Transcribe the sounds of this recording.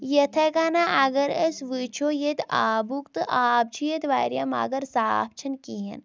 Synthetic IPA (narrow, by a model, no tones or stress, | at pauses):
jɐt̪ʰɐkanaʔaɡɐɾesʋɨt͡ʃʰoːjet̪aːbukt̪ɨʔaːb̚t͡ʃʰujet̪ʋaːɾjama̰ːɡɐɾsaːp̚ʰt͡ʃʰɐnkiɦɐ̰n